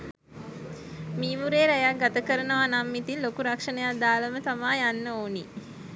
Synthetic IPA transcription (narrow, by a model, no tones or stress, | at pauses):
miːmuɾeːɾɛjak̚ɡat̪əkəɾənəʋanamːit̪inlokuɾakʂənəjad̪aːləmət̪amaːjanːəoːni